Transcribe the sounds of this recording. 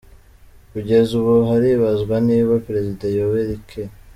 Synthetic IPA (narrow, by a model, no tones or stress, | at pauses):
kuɟe̞zuβuɦaɾiβazɡwaniβapɾe̞zidajoweɾikʰe